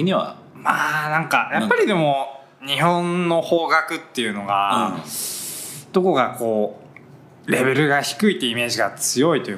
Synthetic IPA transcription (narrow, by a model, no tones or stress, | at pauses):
ɲ̟iβa̰ | maːnãŋkajʔapːaɾʲid̪e̞mo̞ | ɲ̟ihõ̞nːo̞ho̞ːɡakɯ̟t̪ːe̞jɯ̟no̞ɡa | d̪̥o̞ko̞ɡako̞ː | ɾe̞βe̞ɾɯ̟ɡaçi̥kɯ̟it̪eime̞ːʑiɡat͡sɨjo̞it̪o̞